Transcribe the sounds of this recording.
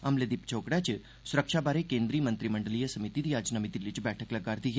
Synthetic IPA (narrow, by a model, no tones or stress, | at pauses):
amled̪ipt͡ʃʰokɽat͡ʃʰe | sʊɾəkʃabaɾekẽnd̪ɾiːmənt̪ɾiməɳɖəlijəsəmit̪id̪iad͡ʒnəmit̪ilid͡ʒbɛʈʰəkləɡaɾd̪iɦɛ